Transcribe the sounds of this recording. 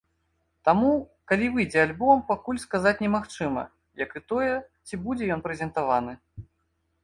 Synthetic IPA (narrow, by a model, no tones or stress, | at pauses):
t̪amukalʲivɨjd͡zʲɛalʲbɔmpakulʲskazat͡sʲnʲɛmaxt͡ʂɨmɐ̰ | jɐkɨt̪ɔjɛt͡sʲibud͡zʲɛjɔnpɾɛzʲɛnt̪avanɨ